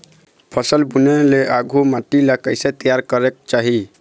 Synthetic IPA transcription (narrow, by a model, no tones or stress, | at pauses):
pʰəsəlbuneleʔaɡʱumaʈilakəɪset̪əjaɾkəɾek̚t͡ʃaɦi